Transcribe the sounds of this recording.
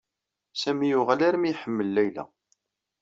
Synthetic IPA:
sæmijʊʁælæɾəmiħəmːəlːæjlæ̰

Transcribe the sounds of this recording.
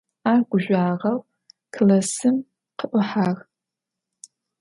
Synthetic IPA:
aːrɡʷʊʒʷaːʁɐw | kʰlɐsɨm | qəʔʷʊħaːr

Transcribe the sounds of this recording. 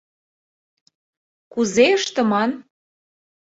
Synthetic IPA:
kuzeɤʃt̪ɤ̆mɑn

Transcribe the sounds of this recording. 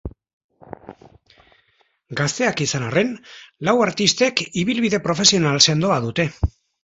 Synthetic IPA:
ɡast̪e̞akisanare̞nlawaɾt̪ist̪e̞kiβilβiðe̞pɾo̞fe̞sio̞nalse̞nd̪o̞aðut̪e̞

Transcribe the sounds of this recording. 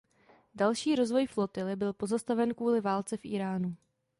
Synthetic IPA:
dalʃiːɾo̞zvo̞jflo̞t̪ɪlɪbɪlpo̞zast̪avɛnkvuːlɪvaːlt͡sɛfʔḭːɾaːnu

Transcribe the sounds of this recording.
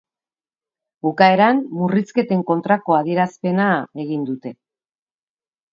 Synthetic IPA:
bukae̞ɾanmuriske̞t̪e̞ŋko̞nt̪ɾako̞að̞ie̞ɾaspe̞nae̞ɣind̪ut̪e̞

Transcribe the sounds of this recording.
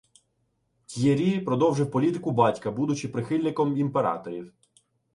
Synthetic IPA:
tʲjeɾʲipɾɔd̪ɔwʒɪwpɔlʲit̪ɪkʊbɑtʲkɐbud̪ʊt͡ʃɪpɾɪxɪlʲnɪkɔmimpeɾɑ̰t̪ɔɾʲiw

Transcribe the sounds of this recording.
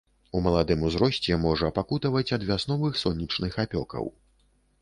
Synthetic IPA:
umɐlˠad̪ɨmuzɾɔsʲt͡sʲɛmɔʐɐpakut̪ɐvɐt͡sʲɐd̪vʲasnɔvɨxsɔnʲːit͡ʂnɨxapʲɔ̰kɐ̰w

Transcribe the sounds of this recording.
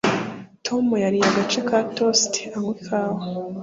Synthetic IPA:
tʰomujaɾijaɡat͡ʃekatostʰe̥aŋwikʰaːho

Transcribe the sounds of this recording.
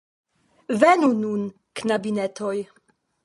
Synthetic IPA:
venunun | knabinetoj

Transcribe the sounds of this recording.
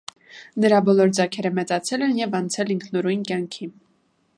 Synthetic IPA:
nəɾɑbɔlɔɾd͡zɑkʰɛɾəmɛt͡sɑt͡sʰɛlɛnjɛvɑnt͡sʰɛliŋkʰnɔɾujnkjɑŋkʰi

